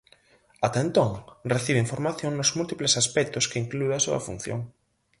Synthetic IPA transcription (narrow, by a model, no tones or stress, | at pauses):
at̪aent̪oŋreθiβ̞eiɱfoɾmaθjõŋnʊzmult̪iplesaspɛk̚t̪ʊskeiŋklueasuɐ̰fṵn̟θjo̰ŋ